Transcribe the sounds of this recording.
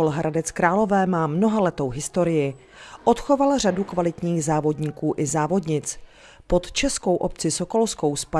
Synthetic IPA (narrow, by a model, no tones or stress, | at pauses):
olɦɾadɛt͡skɾaːlo̞vɛːmaːmno̞ɦalɛt̪o̞wɦɪst̪o̞ɾɪjɪ | ʔot̪xo̞valr̝adukvalɪt̪ɲiːxzaːvo̞dɲiːkuːʔɪzaːvo̞dɲɪt͡s | pot̪t͡ʃɛsko̞wʔop̚t͡sɪsoko̞lskowspa